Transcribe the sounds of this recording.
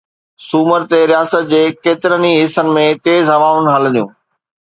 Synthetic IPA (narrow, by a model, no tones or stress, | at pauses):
suːməɾt̪eɾijaːsət̪̚d͡ʑeːkeːt̪ɪɾəniɦɪsənɪ̆mẽt̪eːzɦɐʋaːʊn̆ɦɐlə̃d̪ijũː